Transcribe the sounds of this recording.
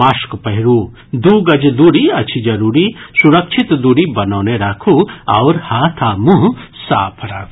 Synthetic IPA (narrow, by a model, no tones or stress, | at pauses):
aːʃkpɐɦɪɾuː | d̪uːɡɐd͡ʒd̪uɽiɐt͡ʃʰid͡ʒɐɾuːɾisuɾɐkʃʰit̪d̪uːɽibɐnɔːneɾaːkʰuɐʊɾhaːt̪ʰaːmũɦsa̰ːpʰɾaː